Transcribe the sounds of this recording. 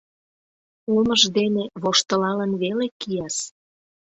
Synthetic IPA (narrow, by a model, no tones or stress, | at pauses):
uməʒd̪eneβoʃt̪əlɑlənβelekijɑs